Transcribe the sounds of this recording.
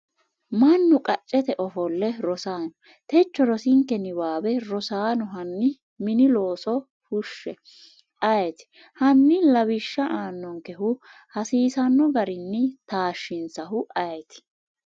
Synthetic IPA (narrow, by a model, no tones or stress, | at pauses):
mɐnːʊkʼɐt͡ʃʼːɛt̪ɛʔɔfɔlːɛɾɔsaːnɔ | t̪ɛt͡ʃːɔɾɔsɪŋkɛnɪbaːbɛɾɔsaːnɔɦɐnːɪ | mɪnɪlo̞ːsɔ | hʊʃːɛ | ɐjɛt̪ɪ̥ | hɐnːɪlɐβɪʃːɐʔaːnːɔŋkɛɦʊ | hɐsiːsɐnːɔɡɐɾɪnːɪt̪aːʃːɪnsɐhʊɐjɛt̪ɪ̥